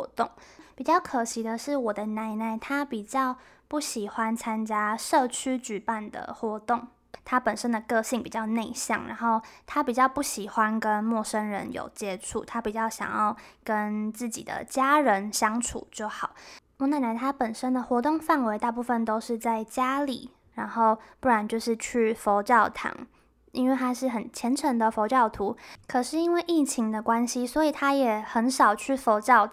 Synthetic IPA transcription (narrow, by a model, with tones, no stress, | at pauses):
t̪ʊ˥˨˩ŋpi˨˩t͡ɕjɑ˥˩ʊkʰɤ˨˩ɕi˨˥d̪ə˧ʂɻ̩˥˩wɔ˨˩d̪ə˦na˧˥ɪna˧˩ɪt̪ʰa˥pi˨˩t͡ɕjɑ˥˧ʊ | pu˥˩ɕi˨˩xwa˦nt͡sʰa˥nt͡ɕja˥ʂɤ˥˩t͡ɕʰy˥t͡ɕy˨˩pa˥˩nd̪ə̰˨˩xwɔ˧˥t̪ʊ˥˩ŋ | t̪ʰa˥pə˨˩nʂə˦˥nd̪ə˨kɤ˥˧ɕi˥˩ŋpi˨˩t͡ɕjɑ˥˧ʊne˥˧ɪɕjɑ̰˥˩ŋɻa̰˧˥nxo˥˩ʊt̪ʰa˥pi˨˩t͡ɕjɑ˥˧ʊpu˥˩ɕi˨˩xwa˦˥nkə˦nmwɔ˥˩ʂə˥nɻə̰˧˦njo̰˨˩ʊt͡ɕjɛ˥ʈ͡ʂʰṵ˥˩t̪ʰa˥pi˨˩t͡ɕjɑ˥˩ʊɕjɑ̰˨˩ŋjɑ̰˥˩ʊkə˦nt͡sɹ̩˥˩t͡ɕḭ˨˩d̪ə̰˩t͡ɕja˥ɻə˧˦nɕjɑ˥ŋʈ͡ʂʰṵ˨˩˦t͡ɕjo˥˩ʊxɑ˨˩˦ʊ | ɔ˥˧na˥˩na˧˥ɪt̪ʰa˥pə˨˩nʂə˦˥nd̪ə˨xwɔ˧˥t̪ʊ˥˧ŋfa˥˩nwe˧˥ɪt̪a˥˧p̬u˥˩fə˨nt̪o˥ʊʂɻ̩˥˧t͡sa˥˩ɪt͡ɕja˥lḭ˨˩˦ | ɻa˧˥nxo˥˩˧ʊpu˥˩ɻa˧˥nt͡ɕjo˥˧ʊʂɻ̩˥˧t͡ɕʰy˥˩fo˧˥ʊʈ͡ʂɑ˥˩ʊt̪ʰa̰˨˩ŋ | i˥nwe˥˩ɪt̪ʰa˥ʂɻ̩˥˩xə˨˩nt͡ɕʰjɛ˧˥nʈ͡ʂʰə˧˥ŋd̪ə˨fo˧˥ʊʈ͡ʂɑ˥˩ʊt̪ʰu˧˥˦kʰɤ˨˩ʂɻ̩˥˩i˥nwe˥˧ɪʔi˥˩t͡ɕʰi˧˥ŋd̪ə˧kwa˦nɕi˦swɔ˧˦˥i˨˩t̪ʰa˥jɛ˨˩xə˧˥nʂɑ˨˩ʊt͡ɕʰy˥˩fo˧˥ʈ͡ʂɑ˥˩ʊ